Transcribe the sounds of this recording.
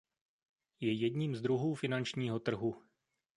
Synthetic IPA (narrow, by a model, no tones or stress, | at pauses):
jɛjɛdɲiːmzd̪ɾuɦuːfɪnant͡ʃɲiːɦo̞t̪r̩ɦu